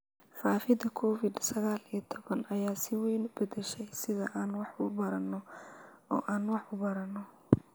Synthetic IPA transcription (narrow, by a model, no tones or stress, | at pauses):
faːfɪd̪ɐkʰɔːfɪd̪sɐɣaːlijɐt̪ʰɔβɐnɐjaːsɪwɛjnʊbɐd̪ɛʃɛjsɪðɐʔaːnwɑħʊbɐɾɐnːɔɔ̰ːʔaːnwɑħʊbɐɾɐnːɔ